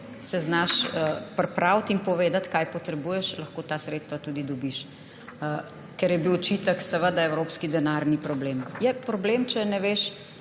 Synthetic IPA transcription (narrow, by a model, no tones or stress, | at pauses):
sɛznaʃpɾɛpɾawt̪inpɔʋeːd̪at̪kajpɔt̪ɾɛbuːjɛʃlɐxkoːt̪aːsɾeːt̪st̪ʋat̪ud̪id̪ɔbiʃ | kɛɾjɛbiwɔt͡ʃit̪əksɛʋəd̪aɛwɾopskid̪ɛnaɾnipɾɔbleːmjɛpɾɔblemt͡ʃɛnɛʋeʃ